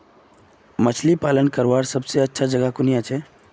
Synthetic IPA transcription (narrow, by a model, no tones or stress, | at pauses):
mət͡ʃʰlipalənkəɾʋaɾsəbseətːʃʰad͡ʒəɡakunijat͡ʃʰɛ